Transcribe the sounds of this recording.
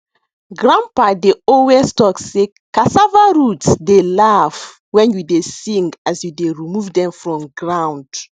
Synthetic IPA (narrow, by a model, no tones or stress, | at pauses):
ɡɹãmpadeɔwestɔksːe | kasavaɹutsdelaf | wɛ̃njudesĩŋɡasjudeɹimuvdɛ̃mfɹɔ̃mɡɹãnd